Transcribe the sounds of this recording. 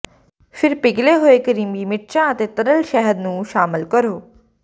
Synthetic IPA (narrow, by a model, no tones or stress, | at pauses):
pʰɪɾpɪɡleːɦoːeːkəɾiːmiːmɪʈt͡ʃãːət̪eːt̪əɾəlʃɛɦəɾnũːʃaːmɪlkəɾoː